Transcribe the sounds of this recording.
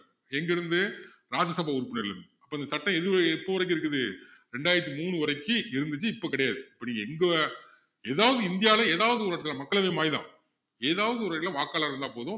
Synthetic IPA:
ɛŋɡɪɾɯnd̪ɯ | ɾaːd͡ʒɐsɐbaːʊɾɯpːɪnɐɾɪɾɯnd̪ɯɐpːoːɪnd̪ɐsɐʈːɐ̃ɛðɯɛpːoːʋɐɾɐk̬ːɪɾɯk̬ːɯðɯɾɛɳɖaːjɪɾɐt̪̬ːimuːɳɯɔɾɐɪkːɯɪɾɯnd̪ɯt͡ʃːɯɪpːoːkɪɽɐjaːðɯɐpːoniːŋɡɐɛŋɡɐ | eːðaːʋɐðɯɪnd̪ɪjaːlɐ̃eːðaːʋɐðɯʊɾɐʈːɐt̪ɪlɐmɐkːɐɭɐʋɐmaːjðã̰ː | eːðaːʋɐðɯʊɾɐɾɪlɐʋaːkaːɭaːɾɪɾɯnd̪aːpoːðʊ̃

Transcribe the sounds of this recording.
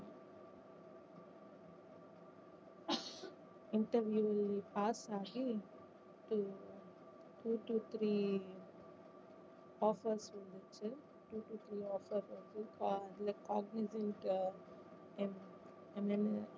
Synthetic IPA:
ɪɳʈɐɾʋjuːlipaːsaːɣi | ʈu | ʈuːʈut̪ʰɾiː | ɔːfɐɾsʋɐnd̪ɯt͡ʃːɯ | ʈuːʈut̪ʰɾiːɔːfɐɾʋɐnd̪ukːɐɪlɐkaːɡ̚nɪzẽɳʈ | m | ɐnɛn

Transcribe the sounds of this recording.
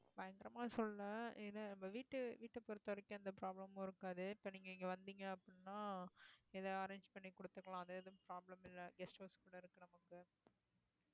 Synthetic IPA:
bɐjɐŋɡɪɾɐmaːsɔlːɐnɐɪðɯlɐnɐmbɐʋiːʈːɯʋiːʈːɐpːɔɾɯt̪ːɐʋɐɾɐkːɯɐnd̪ɐpɾaːblɐmõɪɾɯkːaːðɯɪpːɐniːŋɡɐɪŋɡɐʋɐnd̪iŋɡɐɐpːɽɳnːaː | ɛðɐɐɾeːɲd͡ʒpɐɳːikɔɽɯt̪ːɯkːɐlãːɐðeːðɯ̃pɾaːblɐmɪlːɐɡɛsʈoːskuːɽɐɪɾɯkːɯnɐmɐkːɯ

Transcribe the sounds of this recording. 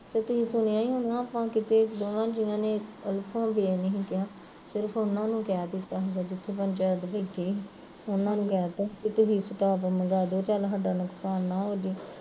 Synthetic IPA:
t̪et̪ʊɦiːsʊɽ̃ejaːĩːɦonãːaːpãːkɪt̪eːd̪oːnãːd͡ʒɪãːneːəlpʰãːbenəɦĩːkɪjaː | sɪɾəpʰʊnãːnũːkɪjaːd̪ɪt̪ːaːɦoɡaːd͡ʒɪt̪ʰːeːpənʲt͡ʃəd̪bɪːt̪ʰeː | ʊnãːnũːkjaːt̪aːkɪt̪ʊɦiːsɪʈ̪aːpməɡaːd̪oːt͡ʃaːlɦəɖaːnʊksaːnːãːɦoːd͡ʒeː

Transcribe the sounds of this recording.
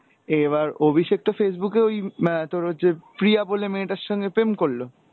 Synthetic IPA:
eβaɾobʱiʃek̚t̪ofes̬bukeojt̪oɾod͡ʑepɾiabolemeneʈaʃːɔŋɡepemkoɭːo

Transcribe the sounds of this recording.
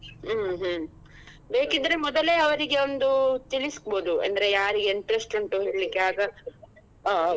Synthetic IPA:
ɦɦ | be̞ːkid̪ːɐɾe̞mɔd̪ɐleːɐʋɐɾiɡe̞ond̪ut̪iliskboːd̪uɐ̰nd̪ɐɾe̞jaːɾiɡeiɳʈɐɾesʈuɳʈuɦeɭlikːeaːɡɐ

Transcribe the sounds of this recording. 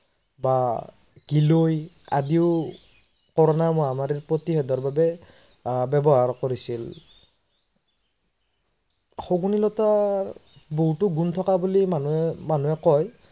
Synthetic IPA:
ba | ɡ̥iloja̰diʊ | kɔɹɔnamʊamaɹiɹpɹotixɛdɔɹbabɛ | bɛbɔɦaɹkoɹisil | xoɡunilɔta | boɦutʊɡunt̪ʰɔkabulimanumanuɛkɔj

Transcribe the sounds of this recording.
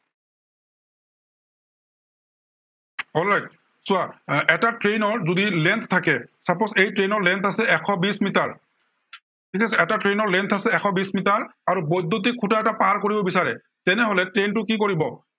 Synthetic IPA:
ɔlajk | sʊaɛtatɹejnɔɹzodilɛnt̪ʰtʰakɛsapɔsejtɹenɔɹlɛnt̪ʰasɛɛkʰɔbismitaɹ | tʰikʰasɛɛtatɹenɔɹlɛnt̪ʰasɛɛkʰɔbismitaɹaɹubɔjd̪ʱot̬ikʰːutaɛtapaɹkoɹibɔbisaɹɛ̰ | tɛnɛɦolɛtɹentʊkikoɹibɔ

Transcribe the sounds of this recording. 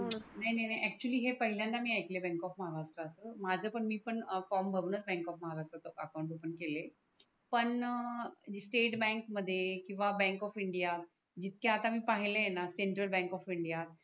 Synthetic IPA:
najnajnajʔɛk̚t͡ɕuəliːɦepəɦiljãnt̪amiːajklebɛ̃ŋkɔfməɦaɾaʂʈɾəːsəːmad͡zʱəːpəɳmiːpəɳfɔɾmbʱəɾunət͡sbɛ̃ŋkɔfməɦaɾaʂʈɾət̪əəkawɳʈupəɳkele | pəɳ | d͡ʑsʈeʈbɛ̃ŋkməd̪ʱːjekĩw̃ʋabɛ̃ŋkɔfiɳɖijat̪ | d͡ʑit̪̚ʰkeat̪amiːpaɦileenaseɳʈɾəlbɛ̃ŋkɔfiɳɖijat̪

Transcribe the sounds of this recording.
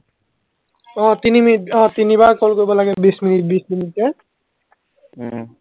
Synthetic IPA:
ɔ̃t̪inimiɔ̃t̪inibakɔlkoibɔlaɡɛbisminit̚bisminit̚kɛ

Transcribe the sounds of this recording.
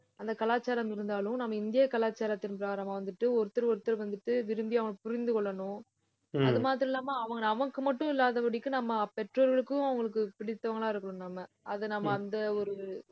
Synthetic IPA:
ɐnd̪ɐkɐlaːt͡ʃːaːɾɐmɪɾɯnd̪aːlɯ̃mnɐmːɐɪnd̪ɪjɐkɐlaːt͡ʃːaːɾɐt̪ːɪnpɪɾaːɾaːmaːʋɐnd̪ɯʈːɯɔɾɯt̪ːɐɾɔɾɯt̪ːɐɾʋɐnd̪ɯʈːɯʋɪɾɯmbiɐʋɐŋɡɐpʊɾɪnd̪ɯkɔɭːɐnʊ̃ | ɐðɯmaːt̪̬ɯɾɐ̃ɪlːaːmaɐʋɐŋɡɐɐʋɐŋkːɯmɐʈːʊ̃ɪlːaːðɐʋɐɽɪkːɯnɐmːɐpɛʈroːɾɣɐɭɯkːʊ̃ɐʋɐŋɡɐɭɯk̬ːɯpɪɽɪt̪ːɐʋɐŋɡɐɭãːɪɾɯkːɐɳɯ̃mnaːmɐ | ʔɐðɯnɐmːɐːnd̪ɐɔɾɯ

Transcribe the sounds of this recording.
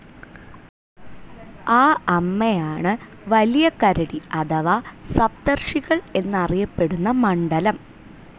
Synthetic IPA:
aːɐmːejaːɳɨ | ʋɐlijɐkɐɾɐɽiɐd̪ɐʋɐsɐb̚d̪ɐrʂiɣɐɭe̞nːɐrijɐpːe̞ɽunːɐmɐɳɖɐlɐm

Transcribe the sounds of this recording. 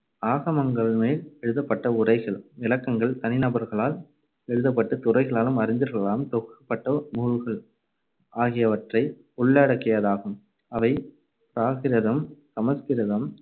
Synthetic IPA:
aːɣɐmɐŋɡɐɭmeːlɛɻɯðɐpːɐʈːɐʊrɐɪɣɐɭʋɪlɐkːɐŋɡɐɭt̪ɐnɪnɐbɐɾɣɐɭaːl | ɛɻɯðɐp̬ːɐʈːɯt̪ʊrɐɪɣɐɭaːlɯmɐɾɪɲd̪ɯɾɣɐɭɭaːlɯmt̪ɔkːɐpːɐʈːɐmuːɻɯɣɐɭ | ʔaːɣɪjɐʋɐʈrɐɪ | ʊɭːeːɽɐkːɪjɐðaːɣɯm | ɐʋɐɪ | pɾaːɣɪɾɐðɐmsɐmɐskɪɾɐðɐm

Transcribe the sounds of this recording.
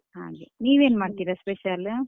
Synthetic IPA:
ɦa̰ːɡeniːʋeːnmaːɖt̪iːɾaspeʃɐl

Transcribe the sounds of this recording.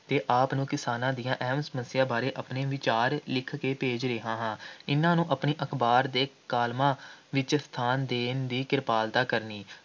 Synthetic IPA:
t̪eːʔaːpnũːkɪsaːnãːd̪ijãːʔɛɦəmsəməsɪjaːbaːɾeːʔəpneːʋɪt͡ʃaːɾlɪkʰkeːpeːd͡ʒɾeːɦãːɦãːɪnãːnũːʔəpniːʔəkʰbaːɾd̪eːkaːlmãːʋɪt͡ʃst̪ʰaːnd̪eːnd̪iːkɪɾpaːlt̪aːkəɾniː

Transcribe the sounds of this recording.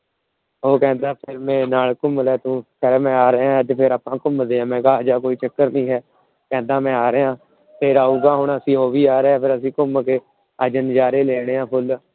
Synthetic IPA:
ɦoːkɛ̃ːnd̪aːpʰɪɾmɛ̃ːnaːlkʊmlɛːt̪ũːkʰɛɾeːmɛ̃ːaːɾãt̪pʰɪɾaːpãːkʊmd̪eːãːmɛ̃ːkaːd͡ʒaːkoːiːt͡ʃəkːəɾnĩːɦɛː | kɛ̃ːnd̪aːmɛ̃ːaːɾeːãː | pʰɪɾaːuːɡaːɦʊɳəsĩːɦoːʋiːaːɾɛːpʰɪɾəsĩːkʊmkeː | əd͡ʒənd͡ʒaːɾeːleːɽ̃eːãːpʰʊl

